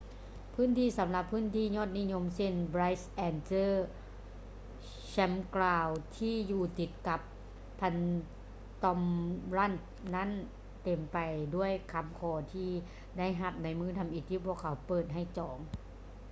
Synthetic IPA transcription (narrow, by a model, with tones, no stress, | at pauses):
pʰɯː˥˨nt̪ʰiː˧˥˩sa˨˦mla˧pʰːɯː˥˨nt̪ʰiː˧˥˩ɲɔː˧˥˩t̪̚ni˦˥˨ɲo˧˥mse˧˩˨nba˧˥jsʔɛː˧˩nsɤː˧˥˩ | sɛ˧˥mklaː˧˩wt̪ʰiː˧˥˩juː˧˩t̪i˨˧˩t̪̚ka˧˦pʰː | a˧˥n | t̪ɔ˧mla˧˥˩n | na˦˥˨n | t̪e˨˩mpa˨jdu˥˩əjkʰa˧˥mkʰɔː˧˩t̪ʰiː˧˩ | da˥˩jɦa˧˩p̚na˧˥jmɯː˧˥˨t̪ʰa˧˦mʔi˧˩t̪ʰːiː˧˩pʰu˧˥˩əkʰːa˨˦wpɤː˨˩t̪̚ɦa˧˥˩jt͡ɕɔː˨˩˦ŋ